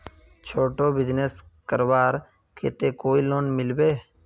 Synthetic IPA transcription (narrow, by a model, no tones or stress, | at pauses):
t͡ʃʰoːʈoːbɪd͡ʒneskəɾbaːɾ | kʰḛːt̪eːkoːiloːnmɪlbeː